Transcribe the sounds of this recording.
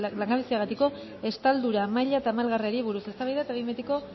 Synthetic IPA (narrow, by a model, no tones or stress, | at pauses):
laŋɡaβisiaɣ̞at̪iko̞ | e̞st̪ald̪uɾamajʎaet̪aːmalɣariaɾiβuɾuse̞st̪aβajðaet̪aβimet̪iko̞